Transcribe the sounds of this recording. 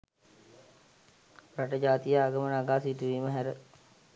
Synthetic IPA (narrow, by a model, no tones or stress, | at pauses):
ɾaʈəd͡ʒaːt̪ijəaːɡəmənaɡaːsiʈuʋiːməɦæɾə